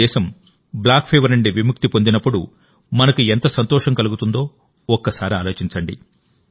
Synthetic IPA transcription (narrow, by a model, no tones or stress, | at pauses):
ɛːʃɐm | blaːkpʰeːʋɐɾɐɳɖiʋimuk̚t̪ipond̪inɐpːuɽṵ | mɐnɐkue̞nt̪ɐsɐnt̪ɔːʂɐŋkɐluɡut̪und̪o̞ː | ɔkːɐsaːɾiaːlo̞ːt͡ʃiɲt͡ʃɐɳɖḭ